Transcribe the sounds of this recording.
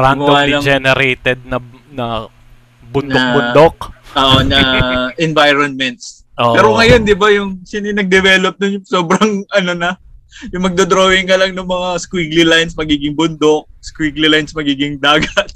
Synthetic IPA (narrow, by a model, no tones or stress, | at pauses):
ɾamʊoaːd̪ɪlɐd͡ʒɛnɛɾɛjt̪ɛd̪̚nɐnɐ | bʊnnoɐkbʊd̪ok̚oʔonɐʔɛnvajɾonmɛnt̪s | ʔoʔɛːɾoŋɐjo̞nd̪ɪbajʊŋsanɪnɐɡ̚d̪ɛvɛːlop̚d̪ʊnjʊŋsoːbɾɐŋʔɐno̞nɐjʊŋmɐɡ̚d̪od̪ɾoːjɪŋkɐlɐŋnʊŋmɐŋaskwiːɡlɪlajnsmɐɡiːɡɪŋbʊnd̪o̞k̚skwiɡlɪlajnsmɐɡiːɡɪŋd̪aːɡɐt̪̚